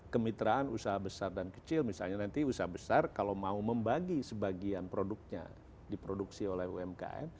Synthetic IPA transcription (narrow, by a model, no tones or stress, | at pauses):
kəmit̪ɾaanusaɦabəsardankə̥t͡ʃɪlmisa̰lɲanant̪iusaɦabəsarkalamauməmbaɡisəbaɡianpɾoduk̚ɲa̰ | dipɾoduksiolɛhṵɛmka̰ɛ̰m